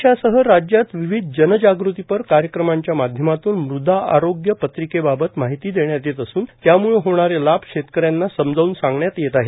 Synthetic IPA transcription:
ɕasəɦəɾad͡ʑjat̪ʋiʋid̪ʱd͡ʑənd͡ʑaɡɾut̪ipəɾkaɾjəkɾəmaɲt͡ɕjamad̪ʱjəmat̪uːnmɾud̪ʱaa̰ɾoɡjəpət̪ɾikebabət̪maɦit̪iːd̪eɳjat̪et̪əsuːnt̪jamuɭeɦoɳ̃aɾelab̚ʂet̪kəɾjanːasəmd͡zauːnsãŋɡɳjat̪jet̪aɦe

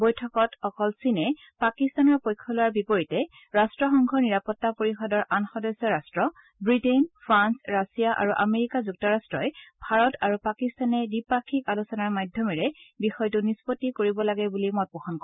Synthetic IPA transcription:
bojtʰɔkɔtɔkɔlsinɛ | pakistanɔɹpojkʰːɔlʊwaɹbipoɹitɛ | ɹastɹɔxɔŋɡʱɔɹniɹapɔtːapoɹixɔdɔɹʔanxɔdɔsɔɹastɹɔ | bɹitenpʰɹansɹasijaʔa̰ɹuʔameɹikazuk̚tɔɹastɹɔjbʱaɹɔtaɹupakistanɛdipakʰikalusɔnaɹmajdʱɔmiɹɛbixɔjtunispotːikoɹibɔlaɡɛbulimɔt̚pɔxɔnkɔ

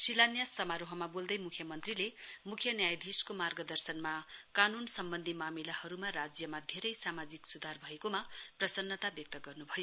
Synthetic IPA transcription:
silanjasʌmaɾoɦʌmabold̪ʌjmukʰjʌmʌnt̪rilemukʰjʌnjajd̪ʱiskomarɡʌd̪ʌrsʌnmakanunsʌmbʌnd̪ʱimamilahʌɾumarad͡zjʌmad̪ʱeɾʌjsamad͡ziksud̪ʱarbʱʌekomaprʌsʌnːʌt̪abjʌk̚t̪ʌɡʌrnubʱʌjo

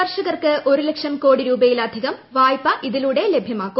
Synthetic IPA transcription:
ɐrʂɐɣɐrkɨʔo̞ɾulekʂɐmko̞ːɽiɾuːbɐjilɐd̪ʱiɣɐmʋaːjpːɐʔiðiluɽe̞le̞bʱjɐmaːkːu

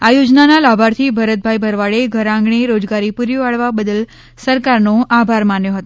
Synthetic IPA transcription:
ajod͡ʒnanalabʱaɾt̪ʰibʱəɾət̪̚bʱajbʱəɾʋaɭeɡʱəɾãŋɡɳeɾod͡ʒɡaɾipuɾjoaɭʋabəd̪əl | səɾkaɾnoʔabʱaɾmanjoɦət̪o

